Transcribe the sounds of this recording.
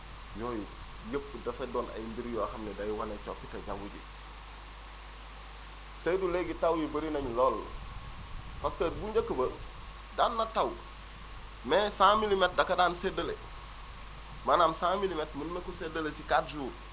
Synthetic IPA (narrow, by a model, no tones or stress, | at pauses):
joːj | jəp̚ːdɐfedoːnɐ̰jimbiɾijoaxɐmnedajiwanet͡ʃo̰kitɐɟaŋɡuɟḭ | sɐjduleɡitawjibɐɾinɐɲloːl | faskɐtbuɲd͡ʒakːəbɐ | daːnːɐtaw | mesãmilimet̚dɐkːɐdaːnsedəle | manaːmsãːmilimetmunnɐkusedɐlesikaːt̚d͡ʒuːɾ